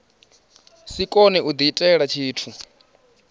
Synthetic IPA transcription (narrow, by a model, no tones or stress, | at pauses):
sikʼɔnɛʔud̪itʼɛɺat͡ʃʰiːtʰu